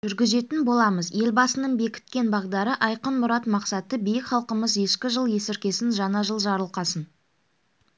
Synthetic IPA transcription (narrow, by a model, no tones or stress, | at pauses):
ʒ̥ʏɾɡʲɪze̞t̪ɪnbo̞lˠɑməzje̞lbɑsənəɴbe̞kʲɪ̥t̪̚kʲe̞nbɑʁd̪ɑɾəʔɑjqənmʊɾɑt̪mɑqsɑt̪əbijɪkχɑlˠqəməzje̞ʃkʲɪʒəlˠje̞sɪɾkʲe̞sɪnʒɑnɑʒəlˠʒɑɾəlˠqɑsən